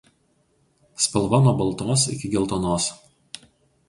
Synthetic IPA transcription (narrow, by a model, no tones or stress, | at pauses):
spʲɐlˠʋɐnuɔbɐlˠt̪oːsɪ̰kʲɪɡʲɛlˠt̪oːnoːs